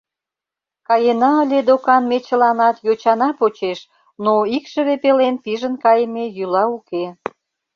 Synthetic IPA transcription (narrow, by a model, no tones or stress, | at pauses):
kɑjenɑə̆lʲed̪okɑnmet͡ɕə̆lɑnɑt̪jot͡ɕɑnɑpot͡ɕeʃ | noikʃə̆βepelenpiʒənkɑjəmejylɑuke